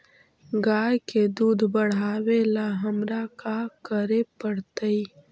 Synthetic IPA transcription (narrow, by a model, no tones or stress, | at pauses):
ɡaːjked̪uːd̪ʱbɐɽ̤aːwelaɦɐmɾakaːkəɾepɐɽt̪əi